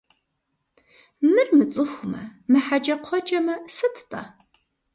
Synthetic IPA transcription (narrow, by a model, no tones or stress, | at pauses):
mɨrmɨt͡sʼɨxʷʊmɐ̰mɨħad͡ʒɐqʷʰɔd͡ʒɐmɐsɨtʰtʼɐ̰